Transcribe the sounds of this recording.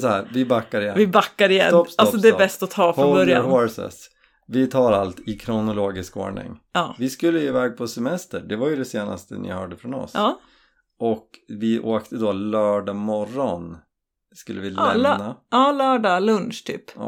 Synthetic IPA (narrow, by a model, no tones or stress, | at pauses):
sɔhæːɾvɪbakːaɾɪjɛvɪbakːaɾɪjɛ̰nɔtalsɔd̪ɛbɛst̪ɔt̪ʰɑːfɔbœɾja̰nh̪oɾsɛ̰s | vɪt̪ʰɑːɾalt̪ɪkʰɾʊnʊloːɡɪsko̰ːɳɪ̰ŋɑːvɪskɵlːəjeːvɛːɡ̚pʰɔsɛmɛst̪əɖɛvajɵd̪ɛseːna̰st̪ə̰nɪ̰hœːɖəfɾɔnɔ̰sɑː | ɔkvɪʔoːkt̪ʰəd̪olœːɖamɔrːɔn | skɵlːəvɪlɛmnaɑːlœːɖalɵnʂt̪ʰy̰ːpː